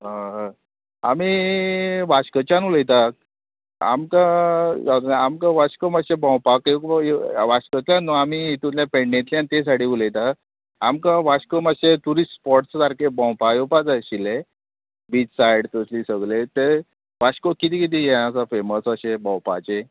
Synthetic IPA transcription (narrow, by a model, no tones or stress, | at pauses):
ɦãɦ | ami | ʋaɕkət͡ɕanuləjt̪a | a̰mkajad̪namkaʋaɕkəməɕebɔ̃wpakjekjʋaɕkət̪ljãnːuamiit̪ut̪ljapeɳɖẽnt̪ljãnt̪es̬aʈiuləjt̪a | amkãʋaɕkəməɕet̪uɾisspɔʈsd̪aɾkebɔ̃wpajopad͡zaɕile | bit͡ssajɽt̪əsliːsəɡlet̪e | ʋaɕkokit̪iːkit̪ijẽasafeməsəɕebɔ̃w̃pat͡ɕe